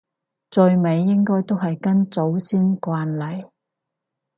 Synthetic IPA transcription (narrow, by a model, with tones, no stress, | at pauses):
t͡sɵ˨˧ɥme˨˧jːɪ˥ŋkɔː˥jt̪o˥wɦɐ˨jkɐ˥nt͡so˨˥wsiː˥nkʷaː˧nlɐ˨˩j